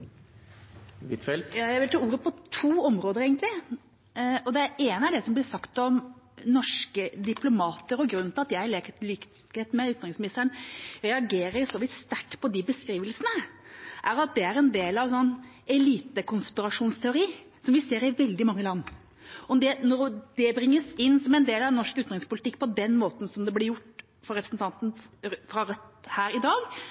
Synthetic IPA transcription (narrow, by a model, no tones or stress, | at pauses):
ʋɪt̪fɛlt̪jɑːjæɪʋɪlt̪ʰɑːuːɾəpʰɔt̪ʰuːɔmɾoːd̪əɾeːɡənt̪lɪ | ɔd̪ɛæɾeːnəæɖɛsɔmblɪsɑkt̪ɔmnɔʂkəd̪ɪplʊmɑːt̪əɾɔɡɾʉnːt̪ɑt̪jæɪleːkt̪liːk | heːt̪mɛʉːt̪nɑɾɪŋsmɪnɪst̪əɾəɳɾɛɑɡeːɾəɾjsɔʋɪt̪st̪æʈːpʰɔd̪ɪbəskɾiːʋəlsənəʔæɾɑt̪̚d̪ɛæɾɛnd̪eːlɑʋsɔnː | ɛliːt̪əkʰʊnspɪɾɑʂuːnst̪ʰɛʊɾiː | sɔmʋɪseːɾɪʋɛld̪ɪmɑŋːəlɑnː | ɔd̪ɛnɔɾd̪̥ɛbɾɪŋːəsɪnːsɔmɛnd̪eːlɑʋnɔʂkʉːt̪nʁɪŋspʊlɪt̪ɪkːpʰɔd̪ɛnːmoːt̪n̩sɔmd̪ɛblɪɾjʊʈː | fɔɾɛpɾəsnt̪ɑnt̪n̩fɾɑɾœt̪hæːɾɪd̪ɑːɡ